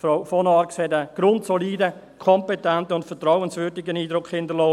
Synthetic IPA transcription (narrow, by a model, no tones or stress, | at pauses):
foʊfɔnɑɾkshɛdəɡ̥ɾʊntsoliːdə | kʰɔmpetɛntəʊntfətraʊənsvʏɾdɪɡəniːdɾʊkʰhɪndəlɔː